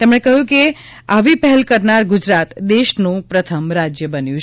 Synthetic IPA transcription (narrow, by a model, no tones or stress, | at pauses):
t̪emɳ̃ekəɦjũke | aʋipɛɦɛlkəɾnaɾɡʊd͡ʒɾat̪d̪eʃnũpɾət̪ʰəmɾad͡ʒjəbənjũ